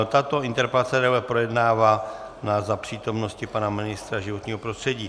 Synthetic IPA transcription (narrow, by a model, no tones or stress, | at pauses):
t̪at̪o̞ɪnt̪ɛɾpɛlat͡sɛdɛulɛpɾo̞jɛdnaːvaː | nazapr̝̥iːt̪o̞mno̞scɪpanamɪnɪst̪ɾaʒɪvo̞t̪ɲiːɦo̞pɾost̪r̥ɛɟiː